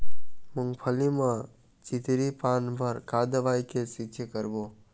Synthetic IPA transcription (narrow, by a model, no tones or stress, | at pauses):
mʊŋɡpʰəlimã | t͡ʃɪt̪ɾipaːnbʱəɾkaːd̪ʋaːjkesɪkt͡ʃʰekəɾboː